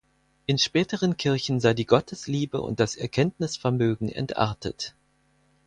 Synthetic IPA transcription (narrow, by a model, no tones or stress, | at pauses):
ʔɪnʃpɛːtəʁ̞ənkʰɪɐçn̩zaɪdiːɡɔtʰəsliːbə̰ʔʊ̰nt̚d̥asɛɐkʰɛntnɪsfɛɐmøːɡŋ̩ʔɛ̰ntʔa̰ɐtʰət